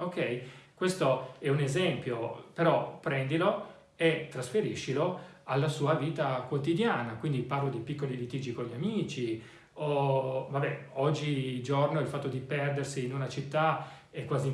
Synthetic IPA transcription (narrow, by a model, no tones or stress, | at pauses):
okːɛjkwest̪oɛunezɛmpjopeɾɔpːɾɛnd̪ilo | et̪ːɾasfeɾiʃːiloalːasuːaviːt̪akwot̪id̪jaːnakwind̪iparlod̪ejpikːolilit̪iːd͡ʒikoʎiamiːt͡ʃi | ovabɛɔd͡ʒːid͡ʒornoilfat̪ːod̪ipɛrd̪ersiːnunat͡ʃit̪ːa | ɛkːwaːzi